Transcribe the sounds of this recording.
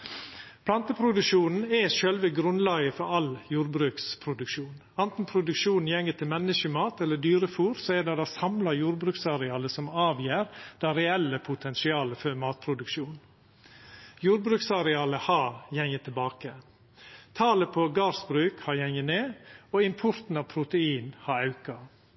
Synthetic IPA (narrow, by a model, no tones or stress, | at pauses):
pʰlɑnt̪əpʰɾʊd̪ʉʃuːnn̩ɛʃœlʋəɡɾʉnlɑːɡəfɔɾɑljuːɾbɾʉːkspʰɾʊd̪ʉkʃuːn | ɑnt̪n̩pʰɾʊd̪ʉkʃuːnn̩jɛŋːət̪ʰɪlmɛnːəʃəmɑːt̪ɛlːəd̪yːɾəfuːɾsoɛd̪ɑd̪ɑːsɑmlɑjuːɾbɾʉːksɑɾɛɑːləsɔmɑːʋjeːɾd̪̥ɑɾɛɛlːəpʰʊt̪ʰɛnsɪɑːləføːɾmɑːt̪̚pʰɾʊd̪ʉkʃuːn | juːɾbɾʉːksɑɾɛɑːləhɑjɛŋət̪ʰɪlbɑːkə | t̪ʰɑːləpʰoɡɑːsbɾʉːkhɑjɛŋəneːoːɪmpʰʊɾt̪n̩ɑʋpʰɾʊt̪əiːnhɑɾɑʉkɑ